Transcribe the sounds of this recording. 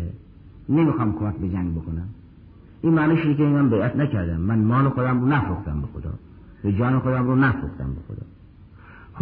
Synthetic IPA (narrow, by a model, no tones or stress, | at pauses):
e | nemixɑːmkʰomæk̚ʲbed͡ʒæŋɡbokʰonæm | ʔiːnmæːnɑːʃod̪ekʲeimæmbejæt̪ʰnækʰæɾd̪æmːænmɒːlexod̪æmɾonæfɾuxt̪æmbexod̪ɒ̰ː | ved͡ʒɒːnexod̪æmɾonæfɾuxt̪æ̰mbexo̰d̪ɒ̰ː | x